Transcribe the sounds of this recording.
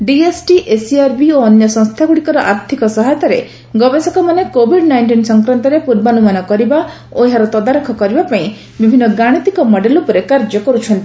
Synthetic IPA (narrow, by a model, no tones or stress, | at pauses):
ɖiesʈiʔesiaɾbioɔnjɔsɔ̃ŋst̪ʰaɡuɽikɔɾɔʔaɾt̪ʰikɔsɔɦajt̪ɔɾḛ | ɡɔbesɔkɔmanekobʱiɖnajɳʈinsɔŋkɾant̪ɔɾepuɾbanumanɔkɔɾiba | oɦaɾɔt̪ɔd̪aɾɔkʰɔkɔɾibapaĩ | bibʱinːɔɡaɽ̃it̪ikɔmɔɖelupɔɾekaɾd͡ʒɔkɔɾut͡ʃʰɔnt̪ii